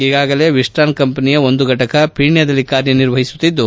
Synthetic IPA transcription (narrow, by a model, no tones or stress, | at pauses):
iːɡaːɡɐle̞ʋisʈaːnkɐmpɐnijɐo̞nd̪uɡʱɐʈɐkɐpʰiːɳjɐd̪ɐlːikaːɾjɐniɾʋɐɦisu̥t̪ːid̪ːu